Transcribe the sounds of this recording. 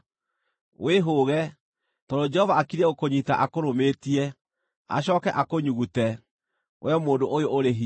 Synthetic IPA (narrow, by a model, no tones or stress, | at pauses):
wʔeɦoːɣɛ | tɔdod͡ʒɛhɔvaakiɾɛokoɲitaʔakoɾometiɛ | a̰ɕɔːkɛʔakoɲuɣutɛ | w̰ʔɛmoːndoʔojooɾeɦi